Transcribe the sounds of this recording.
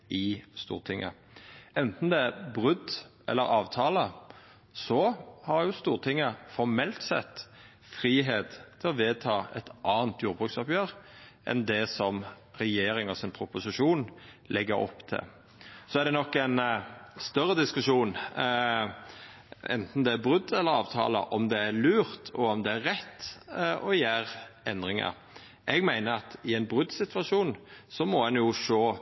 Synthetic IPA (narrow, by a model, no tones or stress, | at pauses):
ɪst̪ṵːʁt̪ʰɪŋːə̰ | ɛnt̪n̩d̪ɛæbʁʉd̪ʔɛ̰lːəɾɑːʋt̪ʰɑːlə | sɔhɑɾjʊst̪uːʁt̪ʰɪŋːəfɔɾmɛlt̪sɛ̰t̪ː | fɾiːɦeːt̪t̪ʰɪlɔʋeːt̪ʰɑːɛt̪ʔɑːnt̪ʰjuːɾbʁʉksɑpjøːɾʔɛ̰nd̪ɛsɔm | ɾɛjeːɾɪŋɔsɪnpʰɾʊpʊsɪʂuːn | lʔɛɡːəɾɔ̰pːt̪ʰɪ̰l | sɔæɾd̪ɛnɔkːæɪnst̪œɾːəd̪ɪskʉʂuːn | ɛ̰nt̪n̩d̪ɛæbʁʉd̪ːɛlːəɾɑːʋt̪ʰɑ̰ːlə̰ʔɔmd̪ɛæɾlʉːɾt̪ʰɔɔmd̪ɛæɾːɛt̪ːɔjæːɾɛnd̪ʁɪŋə̰ɾ | ʔɛɡmæɪnəɑt̪ɪɛɪnbʁʉd̪sɪt̪ʰʋɑʂuːnsɔmɔɛnjʊʂoː